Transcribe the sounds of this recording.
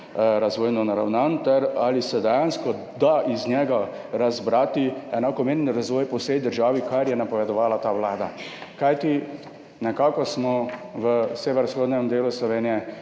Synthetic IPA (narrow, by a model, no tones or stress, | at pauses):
ɾazʋɔːjnɔnaɾawnant̪ɛɾalisɛd̪ɛjanskɔ | d̪aʔiznjɛɡa | ɾazbɾaːt̪iɛnakɔmeːɾɛnɾazʋɔːjpɔwsɛjd̪əɾʒaːʋikaɾjɛnapɔʋɛd̪ɔʋaːlat̪aːʋwlaːd̪akajt̪i | nɛkaːkɔsmɔʋəseːʋɛɾsxoːd̪nɛmd̪eːluslɔʋeːnijɛ